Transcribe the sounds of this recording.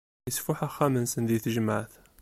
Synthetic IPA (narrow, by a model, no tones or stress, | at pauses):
əsfʊħæxæmənsənðiθəʒəmaʕθ